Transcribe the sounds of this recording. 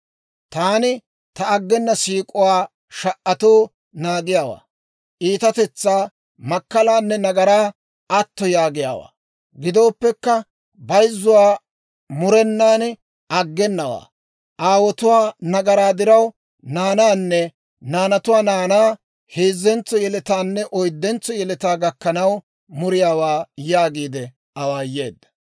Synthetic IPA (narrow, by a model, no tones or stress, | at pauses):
t̪aːnɪ | t̪ɐːɡːɛnːɐsiːkʼʊwaː | ʃɐʔʔɐt̪oː | naːɡɪjaːwa̰ː | ʔiːt̪ɐt̪ɛt͡sːaː | mɐkːɐlaːnːɛnɐɡɐɾaː | ɐt̪ːɔjaːɡɪja̰ːwa̰ː | ɡɪd̪o̞ːpːɛkːɐ | bɐjzːʊwaː | mʊɾɛnːaːn | ɐɡːɛnːɐwa̰ː | ʔaːwɔt̪ʊwaːnɐɡɐɾaːd̪ɪɾɐw | naːnaːnːɛ | naːnɐt̪ʊwaːnaːnaː | heːzːɛnt͡sːɔjɛlɛt̪aːnːɛʔɔjd̪ːɛnt͡sːɔjɛlɛt̪aːɡɐkːɐnɐw | mʊɾɪjaːwaːjaːɡiːd̪ɛ | ɐwaːje̞̰ːd̪ːɐ̥